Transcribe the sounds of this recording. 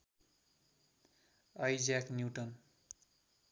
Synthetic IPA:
ʌjd͡zaknjuwʈʌn

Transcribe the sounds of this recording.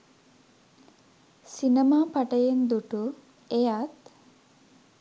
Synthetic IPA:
sinəmaːpaʈəjend̪uʈu | ejat̪

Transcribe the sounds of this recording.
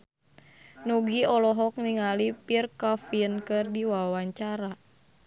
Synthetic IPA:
nuɡiɔlɔɦɔk̚niŋalipirkafiənkɨrdiwawaɲt͡ʃaɾa

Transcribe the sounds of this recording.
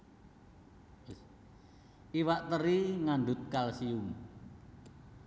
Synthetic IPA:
s | iwaʔt̪əɾiŋanɖ̪ʊt̪̚kalsiuŋ

